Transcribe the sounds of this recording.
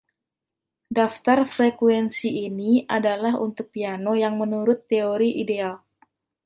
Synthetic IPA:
daft̪arfɾekwɛnsiːniʔadalaɦṵnt̪ʊk̚pianojaŋmənuɾʊt̪ːeoɾiʔideal

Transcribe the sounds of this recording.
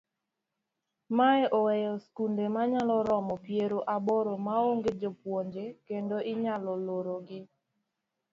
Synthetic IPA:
maɛʔɔwɛjɔskundemaɲalɔɾɔmɔpjeɾoʔaboɾomaoŋɡed͡ʒopwoɲd͡ʒekendoɪɲalɔloɾoɡɪ

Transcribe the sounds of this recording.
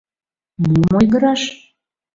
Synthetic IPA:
numojɣəɾɑʃ

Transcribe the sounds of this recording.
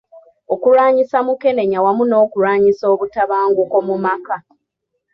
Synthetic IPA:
o̞kuɾaːɲisamuke̞ne̞ɲawamuno̞ːkuɾaːɲiso̞ːβutaβaːŋɡuko̞mumaka

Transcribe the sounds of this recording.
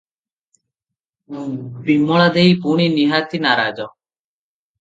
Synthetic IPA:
bimɔɭad̪eipuɳiːniɦaːt̪ʰinaːɾaːd͡ʒɔ

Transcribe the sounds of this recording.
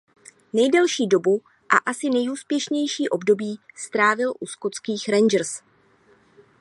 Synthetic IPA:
nɛjdɛlʃiːdo̞bu | ʔa̰ʔasɪnɛjuːspjɛʃɲɛjʃiːʔo̞bdo̞biːst̪ɾaːvɪlʔuskot͡skiːxɾɛnd͡ʒr̩s

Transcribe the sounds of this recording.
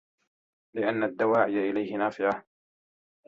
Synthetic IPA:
lɪʔanːad̪ːawaːʕɪjaʔɪlajhɪnaːfɪʕa

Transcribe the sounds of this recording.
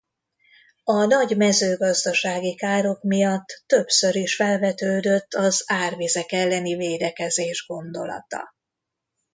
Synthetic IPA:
ɒnɒɟmɛzøːɡɒzd̪ɒʃaːɡikaːɾo̞kmijɒt̪ːø̞psøɾiʃfɛlvɛt̪øːd̪ø̞t̪ːɒzaːrveːzɛkɛlːɛniveːd̪ɛkɛzeːʒɡo̞nd̪o̞̰lɒ̰t̪ɒ̰

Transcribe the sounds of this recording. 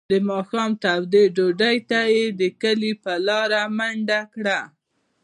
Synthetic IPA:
d̪əmɑxɑmt̪awd̪eɖoɖajt̪ajed̪əkəlipəlɑɾamaɳɖakɽa

